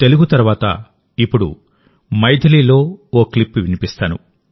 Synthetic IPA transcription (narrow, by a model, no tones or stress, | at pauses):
t̪e̞luɡut̪ɐɾʋaːt̪ɐ̰ | ipːuɽṵ | mɐjd̪ʱɐliːlo̞ːoːklipːʋinipist̪aːnṵ